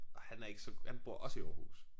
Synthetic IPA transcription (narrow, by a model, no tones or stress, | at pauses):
ʔɒ̽hænæɐe̝ɡ̥əsɒ̽hænb̥o̝ɐ̰ʔɒ̽səiɒːɐhṵːs